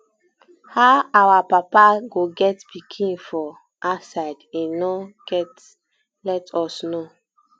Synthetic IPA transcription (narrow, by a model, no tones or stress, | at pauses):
haʊawapapaɡoɡɛtpikʰĩnfɔ | ʔasaɪdẽnɔɡ̥ɛt | lɛtʰɔsno